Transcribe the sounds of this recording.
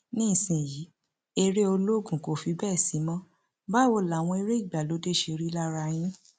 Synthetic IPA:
nĩ˦˨sĩ˨ji˨˦ | e˧ɾe˦o˧lo˦ɡũ˦˨ko˨fi˧˦bɛː˦˨si˨˦mã˦ | ba˦˨wo˧˨la˨w̃ɔ̃˧e˧ɾe˦i˦˨ɡ͡ba˨lo˨˦de˦˨ʃe˧ɾi˦la˦ɾa˧j̃ĩ˦

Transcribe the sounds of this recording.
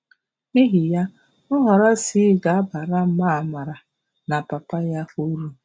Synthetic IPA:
i˦ɦi˨ja˦ | ʊ˦ɦa˨ɾa˦si˦ɡa˨a˦ba˨ɾa˦m̩˦ma˦˨ma˨ɾa˨ | na˨pa˨pa˦ja˦o˦ɾu˦

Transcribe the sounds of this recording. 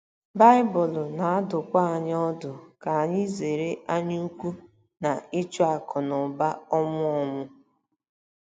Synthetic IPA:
ba˦ɪ˦bʊ˨lʊ˨na˨˦dʊ˨kʷa˦a˨ɲ˦ɔ˦dʊ˨ka˨a˨ɲɪ˦ze˨ɾe˦a˦ɲʊ˦u˦kʷu˦ | na˨i˦t͡ʃu˦a˨kʰɔ˨nɔ˨ba˦ɔ˦mʊ˦ɔ˦mʊ˦

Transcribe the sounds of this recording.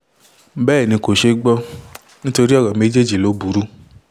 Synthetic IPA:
bɛː˦˨nĩ˧ko˨ʃe˧ɡ͡bɔ˧˦ | nĩ˦to˧ɾi˦ɔ˦˨ɾã˨me˨˦d͡ʒe˦˨d͡ʒi˨lo˨˦bu˨˦ɾu˦

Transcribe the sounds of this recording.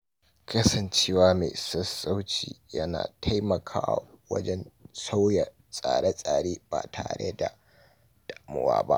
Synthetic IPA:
kɐ˦sɐ˨nt͡ʃeː˦waː˦me˨sɐ˦sa˦wt͡ʃḭː˨jɐ˦na̰ː˨tʰɐ˦jmɐ˨kʰaː˦wa̰˨wɐ̰˦d͡ʒɛ˦nsa˦wjɐ˨ | sʼaː˨ɽe˦sʼaː˨ɽeː˦b̥a̰ː˨tʰa̰ː˨ɽḛ˦da˨ | d̥ʼa˨ʔmʊ̰˦wa̰ː˦ba̰˦ʔ

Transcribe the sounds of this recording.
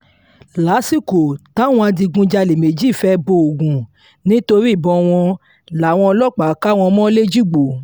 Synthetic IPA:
la˨˦si˦˨ko˨tã˦w̃ɔ̃˧a˧di˧ɡũ˧˦d͡ʒa˧le˨me˨d͡ʒi˦˨fɛ˦bo˧o˨ɡũ˨ | nĩ˦to˧ɾi˦˨bɔ̃˧˨w̃ɔ̃˧ | la˨w̃ɔ̃˧ɔ˧lɔ˦k͡pa˨˦ka˦w̃ɔ̃˧mɔ̃˦le˦d͡ʒi˦ɡ͡bo˨˦

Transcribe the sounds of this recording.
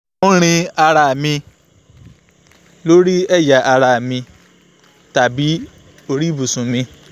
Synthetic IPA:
ɾ̃ĩ˧a˧ɾa˧˨mĩ˧ | lo˦ɾi˦ɛ˦˨ja˨ʔa˧ɾa˨mĩ˧ | ta˨bi˨˦ | o˧ɾi˦bu˨sũ˨mĩ˧

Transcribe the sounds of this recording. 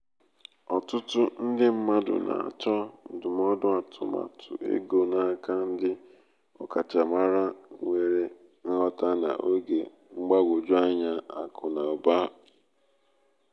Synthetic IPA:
ɔ˨tʊ˦tʊ˦n̩˦dɪ˦m̩˦ma˦dʊ̰˨na̰˨a̰˨t͡ʃɔ˦n̩˨dʊ˨m˦ɔ˦dʊ˦a˨tʰʊ̰˨ma̰˨tʰʊ̰˨ʔḛ˦ɡo˨na˦ka˦n̩˦dɪ˦ | ɔ˨ka˨t͡ʃa˨ma˦ɾa˦ŋʷe˨ɾe˦ | ŋ̩˦ɦɔ˦ta˦na̰˨ʔo˦ɡe˨ | ŋ͡m̩˦ɡ͡ba˦ɡʷo˨d͡ʒʊ˦a˦ɲa˦a˨kʊ˨na˨o˨ba˦˨

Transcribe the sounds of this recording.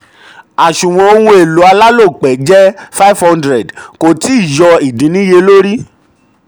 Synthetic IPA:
a˨ʃũ˨w̃ɔ̃˧o˧wũ˧e˨lo˨˦a˧la˦lo˦˨k͡pɛ˨˦d͡ʒɛ˦fa˦fhɔ̃˦ndɾɛ˨dko˨ti˨˦i˦˨jɔ˧i˨dĩ˨˦nĩ˦je˧lo˦ɾi˦

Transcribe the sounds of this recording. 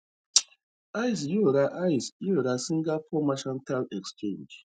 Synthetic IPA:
a˦js̬jo˦˨ɾa˦ʔa˦jsjo˦˨ɾa˨si˦ŋ̩˦ɡa˦fɔ˦ma˦ʃɔ˦nta˦lɛ˨kst͡ʃẽ˦˨nd͡ʒ

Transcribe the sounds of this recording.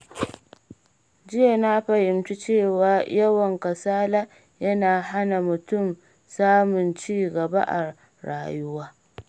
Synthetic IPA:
d͡ʒɪ˦ja˨na˦ɸɐ˨hɪ˨mt͡ʃi˦t͡ʃeː˦˨waː˨jɐ˦wɐ˨ŋkɐ˨saː˦la˦ | jɐ˦naː˨ɦa˦na˨mʊ˨tʊ˦˨m | saː˦mʊ˨nt͡ʃiː˦˨ɡɐ˨ba̰˦ʔa̰˨ | ɾa̰ː˨jʊ˦waː˦

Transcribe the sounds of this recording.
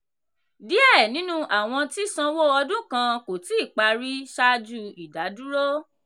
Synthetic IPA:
di˨˦ɛ˦˨nĩ˨˦nũ˦ʔa˨w̃ɔ̃˧ti˦sã˧wo˦˨ɔ˧dũ˦kã˧ko˨ti˨˦i˦˨k͡pa˧ɾi˦ʃa˧d͡ʒu˧i˨da˨˦du˦ɾo˦

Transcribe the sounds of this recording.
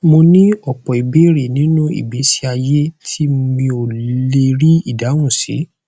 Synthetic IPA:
mo˧nĩ˦ɔ˦˨k͡pɔ˨i˨be˨˦ɾi˨nĩ˨˦nũ˦ḭ˨bi˨˦si˦a˧je˦tʰi˦˧mĩ˧o˨le˧ɾi˦i˦˨da˨˦wũ˦˨sḭ˨˦

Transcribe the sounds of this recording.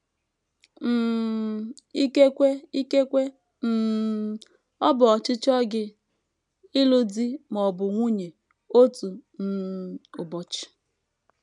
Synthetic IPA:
i˦ke˦kʷe˦i˦ke˦kʷe˦ | n̩˦˨ | ɔ˦bʊ˨ɔ˨t͡ʃɪ˦t͡ʃɔ˦ɡɪ˦ | ɪ˦lu˦di˦mɔ˨bʊ˨ŋʷu˦ɲe˨ | o˦tu˨n̩˦ʊ˨bɔ˨t͡ʃɪ̥˨

